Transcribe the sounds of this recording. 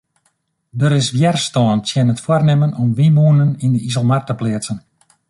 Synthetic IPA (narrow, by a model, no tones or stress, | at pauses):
dəɾɪsʋjɛrstɔəntjɛnətfwarnɪmənɔmʋimuənənindəʔizəlˠmartəplɪətsən